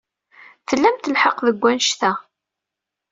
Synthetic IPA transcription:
fəlːæmt̪əlħəqðəɡʷːænʃθæ

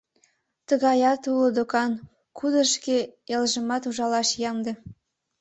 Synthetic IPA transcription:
t̪ə̆ɣɑjɑt̪ulod̪okɑn | kʰud̪ə̆ʃkeelʒə̆mɑt̪uʒɑlɑʃjɑmd̪ĕ

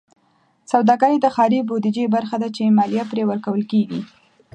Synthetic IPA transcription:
sawd̪ɑɡaɾid̪əxɑɾibod̪id͡ʒebaɾxad̪at͡ʃemɑlijapɾewəɾkawəlkeɡi

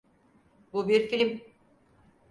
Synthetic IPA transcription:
bubiɾfim

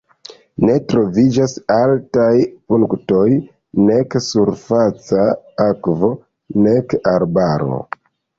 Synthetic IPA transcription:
ne̞tɾo̞vid͡ʒasaltajpuŋkto̞j | ne̞ksuɾfat͡sa | akvo̞ | ne̞kaɾbaɾo̞̰

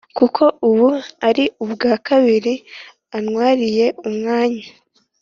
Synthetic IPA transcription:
kukʰo̞ʔuβuaɾiubɡaːkaβiɾi | anŋwaːɾije̞umŋaːɲa

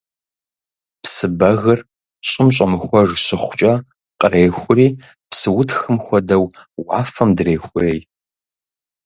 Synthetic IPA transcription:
psɨbɐɣɐr | ɕʼɪmɕʼɐmɨxʷɔʐɕɪχʷʊt͡ʃʼɐ | qʼəreːxʷʊriː | psɨwʊtxɨmxʷɔdɐwwɑ̰ːfɐmdreːxʷʊeːj

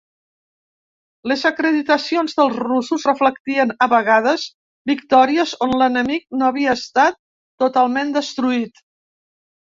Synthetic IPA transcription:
ləzəkɾəðit̪əsionzðəlˠzrusuzrəflək̚t̪iənəβəɣað̞əz | bikt̪ɔɾiəzonlənəmik̚noəβiəːst̪at̪ː | ut̪alˠmend̪əst̪ɾuit̪

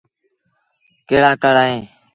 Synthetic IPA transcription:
keːɽaːkəɽaːẽː

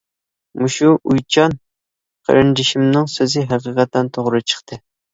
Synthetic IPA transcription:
muʃuʔujt͡ʃʰɑn | qʰə̰ɾɨnd͡ʒɪʃimnɨŋsøzɪɦæqəqɑt̪ːɛnt̪ʰoʁɾɨt͡ʃʰə̥χt̪ʰɨ

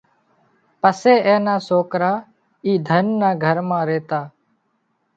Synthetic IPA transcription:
pəseːʔẽːnaːsoːkɾaː | iːd̪ʱənːãːɡʱəɾmãːɾeːt̪aː

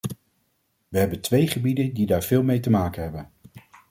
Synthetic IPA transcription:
ʋəɦɛbəntʋejχəbidəndidaːɹv̥ɪːlˠmejtəmaːkənɦɛbən

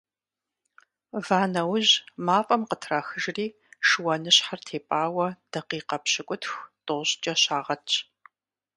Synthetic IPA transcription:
vaːnɐwʊʑmaːfʼɐmqətʰraxɨʒriː | ʂwɐnɨɕħartʰeːpʼaːwɐd̥ɐqiːqɐpɕɪkʷʼʊtʰxʷtʼʊɕt͡ʃʼɐɕaːʁɐt͡ʃʼ

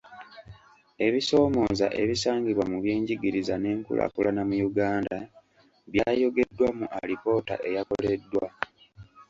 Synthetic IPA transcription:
e̞βiso̞ːmo̞ːza̰ʔe̞βisaːŋɡiβwamuβjiːɲɟiɡiɾizane̞ːŋkṵlʔa̰kulanamujuɡaːnda | βjaːjo̞ɡe̞dːwamuʔalipo̞ta̰ʔe̞jako̞le̞dːwa

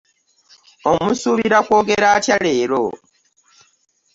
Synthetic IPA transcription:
o̞musuβiɾakwo̞ːɡe̞ɾaːtjale̞ːɾo̰

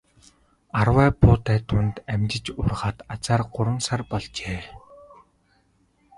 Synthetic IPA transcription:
arwæːpʰʊːt̪æːt̪ʰʊnt̪æmʲt͡ɕɪ̆t͡ɕʊrʁaːt̪at͡saːrɢʊɾə̆nsarpɔɮt͡ɕeː

